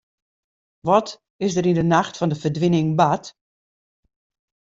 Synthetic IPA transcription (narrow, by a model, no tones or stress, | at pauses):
ʋɔt | ɪsdəɾindənaxtfɔndəfərdʋɪnɪŋbat